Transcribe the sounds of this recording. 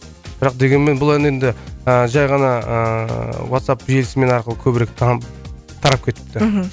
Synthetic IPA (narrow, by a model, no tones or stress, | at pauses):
bɪɾɑqd̪e̞ɡʲe̞nme̞nbʊlˠenend̪ɪəʒɑjʁɑnɑə̰wat̪sapʒe̞lɪsɪme̞nɑɾqəlˠəkʲʰɵbɪɾek̚t̪ʰɑ | t̪ʰɑɾɑp̚kʲʰe̞t̪ɪ̥pt̪ɪɦ